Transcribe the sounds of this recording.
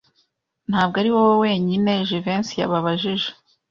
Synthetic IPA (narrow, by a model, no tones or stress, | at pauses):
n̥haːbɡaɾiwowowe̞ːɲine̞ʒivensija̰βaβaʒiʒe